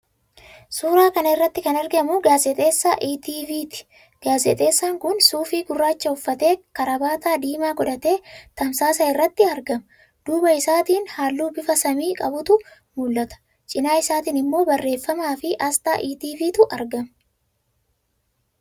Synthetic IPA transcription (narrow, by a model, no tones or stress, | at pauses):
suːɾaːkɐnɐɪrːɐt̪ːɪkɐnɐɾɡɐmʊɡaːzɛt̪ʼe̞ːsːa̰ːʔiːt̪iːviːt̪ɪ̥ | ɡ̥aːzɛ̰t̪ʼe̞ːsːaːŋkʊnsuːfiːɡʊrːaːt͡ʃːɐʊfːɐt̪e̞ːkɐɾɐbaːt̪aːd̪iːmaːɡɔd̪ɐt̪e̞ːt̪ɐmsaːs̬ɐɪrːɐt̪ːɪɐɾɡɐmɐ | d̪̥uːbɐɪsaːt̪iːnhaːlːuːbɪfɐsɐmiːkʼɐbʊt̪ʊ | mʊlːɐt̪ɐ̥ | t͡ʃʼɪnaːɪsaːt̪iːnɪmːo̞ːbɐrːe̞ːfːɐmaːfɪʔɐst̪a̰ːʔiːt̪iːviːt̪ʊʔɐɾɡɐmɐ